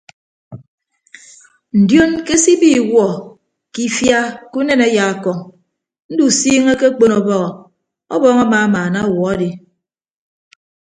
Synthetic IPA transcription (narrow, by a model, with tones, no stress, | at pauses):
n̩˨djo˦nke˦si˦bi˦˨wɔ˨ | ki˦fja˦ku˦ne˦ne˦ja˨a˨kɔ˨ŋ | n̩˦du˨siː˦ŋe˦ke˦k͡po˦nɔ˨bɔ˦ɣɔ˨ | ɔ̰˦bɔ˦ŋa˦ma˨a˦maː˨na˦˨wɔ˨a˦di˨